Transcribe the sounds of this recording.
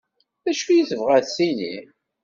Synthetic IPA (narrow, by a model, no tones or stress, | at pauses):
ðæʃujiθəvʁæðsinḭ